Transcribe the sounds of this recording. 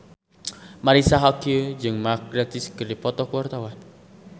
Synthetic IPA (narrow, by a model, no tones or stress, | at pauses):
maɾisaɦakiod͡ʒɨŋmak̚ɾat̪ɪskərɾipɔt̪ɔkuwart̪awan